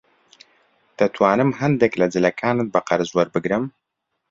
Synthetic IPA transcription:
t̪ʰɐt̪ʰwaːnɨmɦɐnd̪eklɐd͡zɨlɐkʰaːnɨt̪̚bɐqɐɾɨzwɐɾbɨɡɾɨm

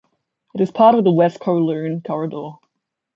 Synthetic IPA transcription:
ɨɾɨz̥pʰɑɹɾʌvðəwɛskʰoʊlʉ̃nkʰɔɹɨdɔ

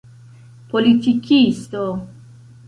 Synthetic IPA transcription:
polit̪ikist̪o

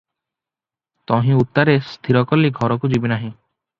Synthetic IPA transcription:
t̪ɔɦĩut̪ːaɾest̪ʰiɾɔkɔliɡʱɔɾɔkud͡ʒibinaɦĩ

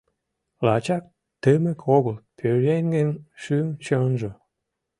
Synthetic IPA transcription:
lɑt͡ɕɑk̚ | t̪əmĕkʰoɣə̆lpʲʰøɾenʲɡenʃymt͡ɕɤnʒɤ

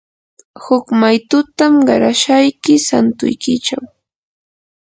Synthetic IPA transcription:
hʊkmajt̪ʊt̪amɢɑɾaʃajkɪsant̪ʊ̰jkɪt͡ʃaw

